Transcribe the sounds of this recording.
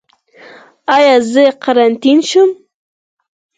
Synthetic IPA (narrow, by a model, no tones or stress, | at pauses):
ɑjɑzəqaɾant̪inʃʊm